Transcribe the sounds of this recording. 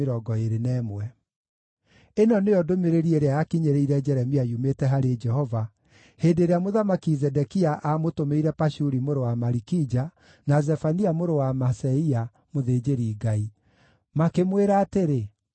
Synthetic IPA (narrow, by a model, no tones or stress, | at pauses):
ɾɔɡɔeɾenɛːmwɛ | enɔneɔdomeɾeɾieɾeajakiɲeɾeiɾɛd͡ʒɛɾɛmiajumetɛɦaɾed͡ʒɛhɔva | heːndeɾeamoðamakizɛdɛkiaʔamotomeiɾɛpaʃuɾimoɾowamaɾikid͡ʒa | nazɛfaniamoɾowamasɛia | moðed͡ʒeɾiːɡai | makemweɾaːteɾe